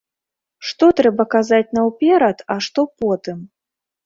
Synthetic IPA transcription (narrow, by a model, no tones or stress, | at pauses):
ʂt̪ɔt̪ɾɛbɐkazat͡sʲnɐwpʲɛɾɐt̪aʂt̪ɔpɔt̪ɨm